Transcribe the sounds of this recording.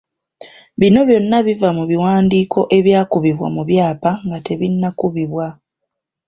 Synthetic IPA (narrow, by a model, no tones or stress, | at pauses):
βino̞βjo̞nːaβivamuβiwaːndiːkʰo̞ʔe̞βjaːkuβiβwa̰muβjaːpaŋɡate̞βinːakuβiβwa